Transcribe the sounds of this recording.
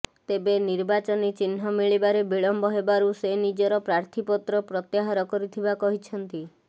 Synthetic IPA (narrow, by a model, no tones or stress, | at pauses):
t̪ebeniɾbat͡ʃɔnit͡ʃinɦɔmiɭibaɾebiɭɔmbɔɦebaɾusenid͡ʒɔɾɔpɾaɾt̪ʰipɔt̪ɾɔpɾɔt̪jaɦaɾɔkɔɾit̪ʰibakɔɦit͡ʃʰɔnt̪i